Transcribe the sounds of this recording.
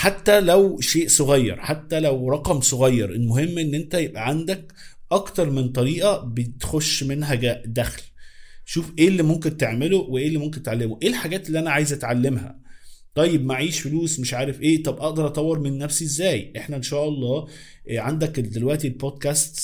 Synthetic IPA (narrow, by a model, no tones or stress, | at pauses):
ħat̪ːælæwʃeːʔsˤoɣæjːɑ̰ɾˤħat̪ːælæwɾˤɑqɑmsˤoɣɑjːɑ̰ɾˤʔelmoɦemːʔenːʔent̪æjebʔæʕand̪æk | ʔɑkt̪ɑɾˤment̪ˤɑɾiːʔɑbet̪xoʃːmenɦæɡæʔd̪æxlʃuːfʔeːlːimomk̬ent̪eʕmeloweʔeːlːimomk̬ent̪ʕalːemoʔeːlħaɡæːt̪elːiːʔænæʕaːjezʔæt̪ʕalːemhæ̰t̪ˤɑjːebmaʕiːʃfeluːsmeʃʕaːɾefʔeːt̪ˤɑbʔɑʔd̪ɑɾˤʔɑt̪ˤɑwːeɾˤmenːæfsiʔezːæːjʔeħnæʔenʃæːʔɑlˤːɑː | ʕand̪ækd̪elwæʔt̪ilboːd̪̚kæːst̪